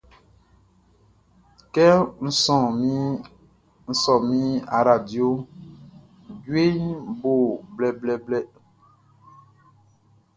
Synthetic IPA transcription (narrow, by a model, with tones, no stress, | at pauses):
kɛ˦n̩˨sɔ̃˨mi˦ | n̩˦sɔ˨mi˦a˨ɾa˨djo˦ | ɟwe˦ɲbo˦˨blɛ˦blɛ˦blɛ˦